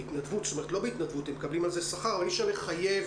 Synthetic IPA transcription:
itnadvutst̪ome̞tlo̞beit̪nad̪vutemːekablimalzesaχaʁmiʃaleχajev

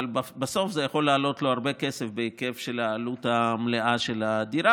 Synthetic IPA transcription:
lbbeso̞fzejaχo̞lːaːlo̞t̪lo̞aʁbekesefbeike̞fʃe̞laːlut̪amleʔaʃe̞lad̪iɾa

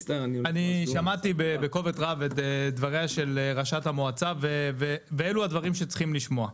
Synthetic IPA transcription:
deanianiʃamat̪ibebeko̞vetʁavet̪ed̪vaʁeaʃe̞lʁaʃathamoat͡saveveveeluad̪vaʁimʃet͡sχimliʃmo̞a

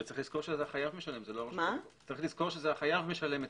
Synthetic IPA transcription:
tt͡saʁiχxliz̥ko̞ʁʃezeaχajavmeʃale̞mzeloʁomat͡saʁiχliz̥ko̞ʁʃezeaχajavmeʃale̞met

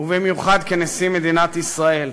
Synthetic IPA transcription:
ubimjuχad̪kenesimed̪inat̪isʁael

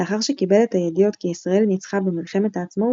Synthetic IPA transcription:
eaχaʁʃekibe̞letajed̪ijo̞t̪kiisʁae̞lnit͡sχabemilχe̞met̪aːt͡smo

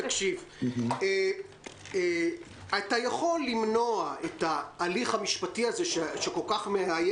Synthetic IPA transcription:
akʃive | e | atajaχo̞lːimno̞ae̞taːliχamiʃpatiazeʃeʃeko̞lkaχmeaje

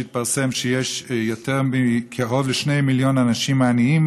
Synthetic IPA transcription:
it̪̚paʁsemʃejeʃjot̪eʁmikʰeɦovleʃnejmiljo̞nanaʃimːaːniim

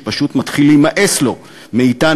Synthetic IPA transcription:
paʃut̪mat̪χilːejmaʔeslo̞ | meita

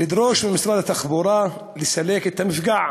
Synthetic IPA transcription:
lɪd̪ɾoːʃmɪmɪsɾˤɑːd̪at̪ːaxbuɾˤɑː | lɪsaleːkɪt̪ːamɪfɡaʕ

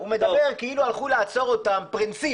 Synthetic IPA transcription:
ume̞d̪abe̞ʁkeilualχulaːt͡so̞ʁot̪ampʁinsi

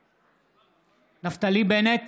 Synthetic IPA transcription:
naft̪alibenet̪

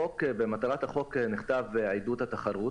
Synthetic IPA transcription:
okbemat̪aʁat̪haχo̞kniχt̪avʕajd̪ut̪hat̪aχaɾu

